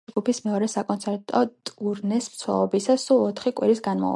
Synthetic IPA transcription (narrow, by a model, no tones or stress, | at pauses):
ɡupʰismɛɔɾɛsakʼɔnsʰɛɾt̪ʼɔt̪ʼuɾnɛsmt̪sʰwɛ̰lˠɔbisasulˠɔt̪ʰχikʼwiɾisɡanma̰